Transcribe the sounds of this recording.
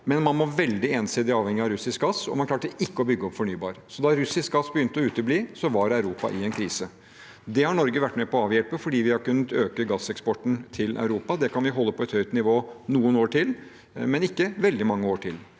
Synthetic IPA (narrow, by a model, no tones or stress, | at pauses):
mɛnmɑnmɔʋɛld̪ɪeːnsɪːd̪ɪɑːʋhɛŋːɪɑɾʉsɪsk̚ɡɑsɔ̰mɑnkʰlɑːʈəʔɪkːəɔbʏɡːəɔpfɔɳyːbɑ̰ːɾsɔd̪ɑɾʉsɪsk̚ɡɑsbəjʏnt̪əɔʉːt̪əbliːsɔʋɑɾæʉɾuːpɑ̰ʔɪɛnkʰɾiːsə | d̪ɛhɑɳɔɾɡəʋæʈːmɛpɔɑːʋjɛlpəfɔɖiːʋɪhɑɾkʉnːət̪øːkəɡɑsːɛkspɔʈn̩t̪ʰɪlʔɑ̰ʉɾuːpɑd̪ɛkʰɑnʋɪɦɔlːəpʰɔɛt̪hœʏt̪nɪʋoːnuːənoːʈʰɪl | mɛnɪkːəʋɛld̪ɪmɑŋːəoːʈʰɪl